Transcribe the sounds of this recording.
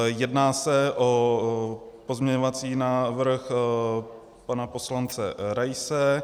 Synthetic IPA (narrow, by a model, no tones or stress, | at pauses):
jɛdnaːsɛʔo | po̞zmɲɛɲovat͡siːnaːvr̩x | panapo̞slant͡sɛɾajsɛ